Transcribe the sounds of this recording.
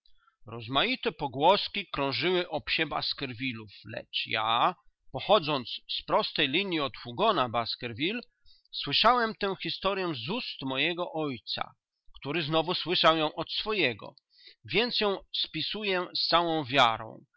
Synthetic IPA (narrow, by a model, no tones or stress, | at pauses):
ɾɔzmajit̪ɛpɔɡwɔskʲikɾɔ̃w̃ʐɘwɘʔɔpɕɛba̰skɛɾvʲiluflɛ̰t͡ʂja̰ | pɔxɔd̪zɔnt̪sspɾɔst̪ɛjlʲiɲjiɔt̪fuɡɔnabaskɛɾvʲil | swɘʂawɛmt̪ɛw̃xʲist̪ɔɾʲjɛ̃zust̪mɔjɛɡɔʔɔjt̪sa̰ | kt̪uɾɘznɔvuswɘʂawjɔ̃w̃ʔɔt̪sfɔjɛɡɔ̰ | vʲjɛnt̪sjɔ̃w̃spʲisujɛst̪sawɔ̃w̃vʲjaɾɔ̰̃w̃